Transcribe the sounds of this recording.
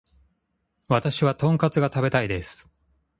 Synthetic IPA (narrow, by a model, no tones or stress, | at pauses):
βat̪aɕiβat̪õ̞ŋkat͡sɨɡat̪abe̞t̪aid̪e̞sɨ̥